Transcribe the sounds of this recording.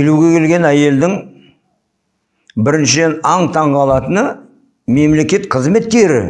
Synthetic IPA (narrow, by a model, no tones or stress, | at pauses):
kʲʰeluɡʲe̞kʲʰe̞lɡʲe̞næje̞ld̪ɪŋ | bɪɾɪnʃɪd̪e̞nɑɴt̪ʰɑɴʁɑlˠɑt̪ənə | me̞mle̞kʲe̞t̪qʰəzme̞t̪ːe̞ɾɪ̰